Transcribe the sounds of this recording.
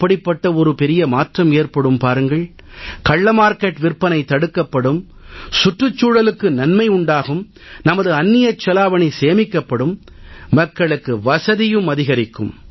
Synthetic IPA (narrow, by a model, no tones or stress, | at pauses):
pːɐɽɪpːɐʈːɐɔɾɯpɛɾɪjɐmaːʈrɐmeːɾpɐɽɯmpaːɾɯŋɡɐɭ | kɐɭːɐmaːɾkɐʈʋɪrpɐnɐɪt̪ːɐɽɯkːɐpːɐɽɯm | sʊʈrɯt͡ʃːuːɻɐlɯkːɯnɐnmɐɪʊɳɖaːɣɯm | nɐmɐðɯɐnːɪjɐt͡ʃːɐlaːʋɐɳiseːmɪkːɐpːɐɽɯmː | ɐkːɐɭɯkːɯʋɐsɐðɪjɯmɐðɪɣɐɾɪkːɯ̰m